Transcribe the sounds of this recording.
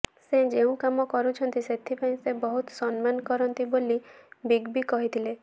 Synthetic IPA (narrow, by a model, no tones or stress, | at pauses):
sed͡ʒeũkamɔkɔɾut͡ʃʰɔnt̪iset̪ʰipaĩsebɔɦut̪sɔnmankɔɾɔnt̪ibolibiɡbikɔɦit̪ʰile